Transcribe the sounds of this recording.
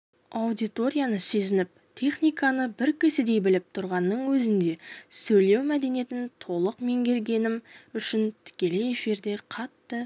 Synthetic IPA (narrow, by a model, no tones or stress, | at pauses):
awd̪ijt̪o̞ɾʲijanəse̞zɪnɪp̚t̪ʲʰe̞χnijkanəbɪɾkʲʰɪsɪd̪e̞jbɪlɪp̚t̪ʰʊɾʁɑnːəɴwɵzɪnd̪e̞sɵjle̞wmæd̪e̞nije̞t̪ɪnt̪ʰo̞lˠəqme̞ŋkʲʰe̞lɡʲe̞nɪmʏʃɪnt̪ʰɪ̥kʲe̞le̞efiɾd̪e̞qʰɑt̪ːə